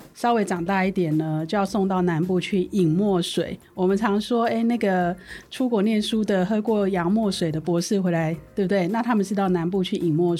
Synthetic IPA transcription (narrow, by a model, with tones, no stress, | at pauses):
ʂɑ˥ʊwe˧˥ɪʈ͡ʂɑ˨˩ŋt̪a˥˧i˥˩t̪jɛ˨˩nnə˦t͡ɕjo˥˧jɑ˥˧ʊso˥˧ŋt̪ɑ˥˩ʊna˧˥np̬u˥˧t͡ɕʰy˥˩i˨˩ŋmwɔ˥˩ʂwe˨˩˦ɪ | wɔ˨˩mə˨˦nt͡sʰɑ˧˥ŋʂwɔ˥e˥˩ɪna˥˩ɡə˩ʈ͡ʂʰu˥kwɔ˨˩njɛ˥˩nʂu˥d̪ə˨ɦɤ˥kwɔ˥˩jɑ˧˥ŋmwɔ˥˩ʂwe˨˩ɪd̪ə˦pwɔ˧˥ʂɻ̩˥˩xwe˧˥ɪla˧˦ɪt̪we˥˩bu˧˩t̪we˥˩ɪna˥˨t̪ʰa˥mə˨ʈ͡ʂɻ̩˥t̪ɑ˥˩ʊna˧˥np̬u˥˧t͡ɕʰy˥˩ʔi˨˩ŋmwɔ˥˩